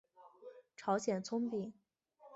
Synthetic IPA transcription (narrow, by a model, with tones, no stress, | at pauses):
ʈ͡ʂʰɑ˧˥ʊɕjɛ˨˩nt͡sʰʊ˥ŋpi˨˩˦